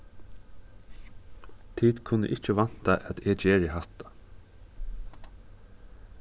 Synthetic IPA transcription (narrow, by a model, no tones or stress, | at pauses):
t̪ʰiːd̪kʰʉnə̰ʔɪc͡çəʋɑnt̪ɑʔɛt̪eːd͡ʒeːɹɪhɑt̪ɑ̥